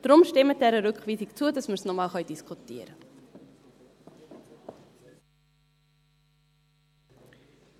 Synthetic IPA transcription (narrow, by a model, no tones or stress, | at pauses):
d̥rɔmʃtɛmət̚dɛɾəɾøkχvizikt͡suədɐsməsnɔmɑːlˠχɑjdiskutiəɾə